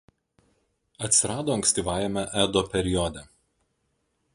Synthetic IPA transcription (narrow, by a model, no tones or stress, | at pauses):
ɐt̪ʲsʲɪɾɑːd̪oːɐŋksʲt̪ʲiːʋɑːjɛmʲɛʔæd̪oːpʲɛɾʲɪjɔd̪ʲɛ